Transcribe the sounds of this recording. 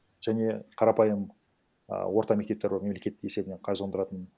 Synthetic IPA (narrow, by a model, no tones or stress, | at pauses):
ʒ̥æne̞qʰɑɾɑpɑjəm̰ | wo̞ɾt̪ɑmekt̪e̞p̚t̪ebɾme̞mlekʲe̞t̪e̞se̞bɪne̞qʰɑjʒənd̪əɾɑt̪ən